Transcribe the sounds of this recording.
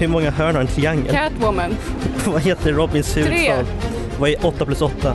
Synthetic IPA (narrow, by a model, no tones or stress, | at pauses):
hɵmɔŋːaɦœːɳaɾɛnt̪ʰɾɪaŋːə̰lat̪wʊmənvaɦeːt̪ʰəɾɔbɪnshʉːɾɑːl | vaɛʔɔt̪ːapʰlɵsɔt̪ːa